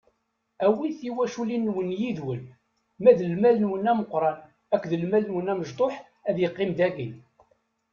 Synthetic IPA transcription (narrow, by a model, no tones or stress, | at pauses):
æwiθiwæʃulinːwənjiðwəl | mæðəlmælənwənæməqːɾˤɑn | ækʷːðəlmælənwənæməʒt̪ˤoħ | æðjəqːɪmd̪æɡin